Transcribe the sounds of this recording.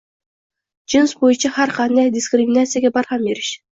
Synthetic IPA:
d͡ʒɪnsbojɨnt͡ʃɑhæɾqʰɑnd̪ɑjd̪ʲɪskrʲɪmʲinat̪sɨjaɡʲebɑɾχɑnbeɾʲɪʃ

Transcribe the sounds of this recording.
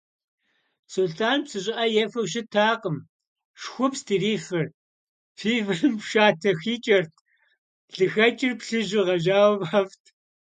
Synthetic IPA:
suɬtʰaːnpsɨɕʼɪʔɐjɛfɐwʃ̬ɪtʰaːqəm | ʂxʷʊpstʰiːriːχɐr | fʰiːvɨrɨmpʃaːtʰɐxiːt͡ʃʼɐrtʰ | ɮɨxɐt͡ʃʼɪrpɬɨʒɪʁɐʒaːwmaftʰ

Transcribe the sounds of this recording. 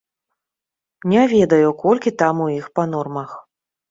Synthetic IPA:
nʲɛvʲɛd̪ɐjukɔlʲkʲit̪amuixpanɔrmɐx

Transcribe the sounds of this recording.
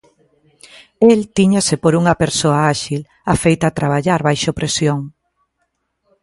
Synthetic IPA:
elt̪iɲasepoɾuŋɐpeɾsoaaʃil | afejt̪at̪ɾaβ̞aʎaɾβajʃopɾesjoŋ

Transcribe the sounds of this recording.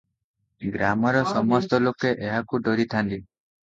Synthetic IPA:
ɡɾamɔɾɔsɔmɔst̪ɔlokeʔeɦakuɖɔɾit̪ʰant̪i

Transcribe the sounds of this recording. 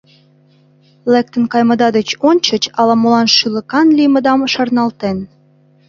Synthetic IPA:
lek̚t̪ənkɑjmə̆d̪ɑd̪et͡ɕonʲt͡ɕət͡ɕɑlɑmolɑnʃylə̆kɑnlimə̆d̪ɑmʃɑrnɑlt̪en

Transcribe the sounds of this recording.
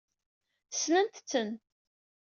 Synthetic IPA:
snənt̪t͡sːən

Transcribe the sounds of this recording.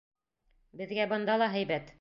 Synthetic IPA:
bɘ̆ðɡæbɤ̆nd̪ɑlˠɑɦæjbæt̪

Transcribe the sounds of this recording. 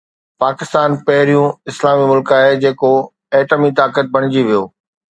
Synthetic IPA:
paːkɪst̪aːnpɐɦɪɾijũɪslaːmimʊlkaːɦed͡ʑeːko | ɛːʈəmit̪aːkət̪̚bʱɐɽ̃ɪd͡ʑiʋijoː

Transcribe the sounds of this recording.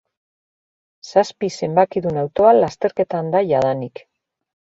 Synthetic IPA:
saspise̞mbakiðunawt̪o̞allːast̪e̞ɾke̞t̪and̪aʝaðanik

